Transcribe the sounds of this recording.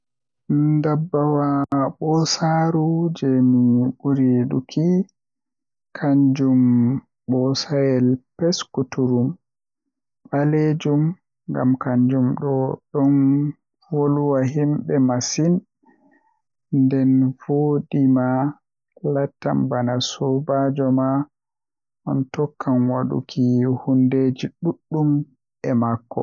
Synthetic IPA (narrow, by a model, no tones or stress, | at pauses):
dabːawaɓɔsaɾud͡ʒɛmiɓuɾiɗṵkʰi | kʰaɲd͡ʒum | ɓɔsajɛlpɛskutuɾum | ɓaled͡ʒum | ŋɡa̰mkaɲd͡ʒumɗɔɗɔn | voluwaɦimɓɛmasin | ndɛnvodima | latːambanasubad͡ʒɔma | ʔɔntɔkʰːanwaɗṵkʰihunded͡ʒiɗuɗːum | ɛmakːɔ̰